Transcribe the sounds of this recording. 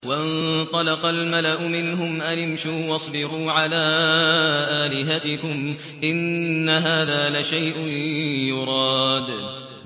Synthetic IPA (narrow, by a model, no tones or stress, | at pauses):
waʔɪnt̪ˤɑlɑqɑlmalaʔʊmɪnɦʊmʔanɪmʃuːwɑsˤbɪɾuːʕalaː | ʔaːlɪɦat̪ɪkʊm | ʔɪnːaɦaːðaːlaʃajʔʊjʊɾˤɑːd̪